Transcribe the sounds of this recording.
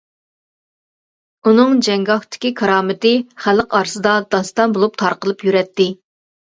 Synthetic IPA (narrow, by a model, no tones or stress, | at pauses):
unɨŋd͡ʒɛŋɡɑχt̪ʰɪ̥kʲikʰɑɾɑːmɪt̪ɪχæləqɑɾsɨd̪ɑd̪ɑst̪ɑnbolˠup̚t̪ʰɑɾqəlˠɨpjyɾɛt̪ʰːɪ